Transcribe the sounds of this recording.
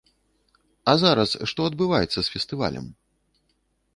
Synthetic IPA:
ɐzaɾɐsʂt̪ɔɐd̪̚bɨvajɛt̪sːɐsfʲɛst̪ɨva̰lʲɐ̰m

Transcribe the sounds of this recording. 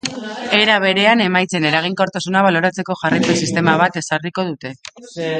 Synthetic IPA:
e̞ɾaβ̞e̞ɾe̞ane̞majt͡se̞ne̞ɾaɣ̞iŋko̞ɾt̪asunaβalo̞ɾat͡se̞ko̞ʝaripesist̪e̞maβ̞at̪e̞sariko̞ðut̪e̞

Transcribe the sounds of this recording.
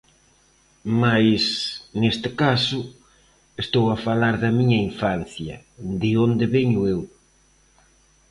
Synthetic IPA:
majsnest̪ɪkasʊ | est̪owafalaɾðɐmiɲɐiɱfanθjɐ | d̪ɪond̪ɪβɛɲʊew

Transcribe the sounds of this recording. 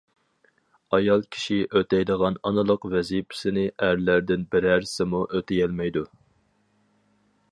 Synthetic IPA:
ɑjɑlˠkʲʰi̥ʃiʔøt̪ʰɛjd̪əʁɑnɑnɨlˠəqvɛzipʰɪ̥sɪnɪʔæɾlæɾd̪ɪnbɪɾæɾsɪmuʔøt̪ʰɪjɛlmɛjd̪u

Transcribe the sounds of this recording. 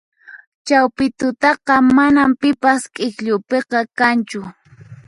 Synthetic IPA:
t͡ʃawpɪt̪ʊt̪ɑqɑmanampɪpaskʼɪkʎʊpeqɑkant͡ʃʊ

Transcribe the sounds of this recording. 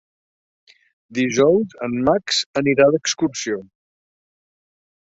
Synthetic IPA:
d̪iʒɔwzənmaksəniɾaðəkskuɾsio

